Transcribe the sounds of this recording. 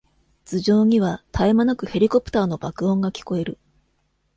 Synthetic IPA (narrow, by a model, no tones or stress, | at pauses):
t͡sɨʑo̞ːɲ̟iβat̪ʰaemanakɯ̟he̞ɾʲiko̞pɯ̥t̪aːno̞bakɯ̟õ̞ŋɡakʲi̥ko̞e̞ɾɯ̟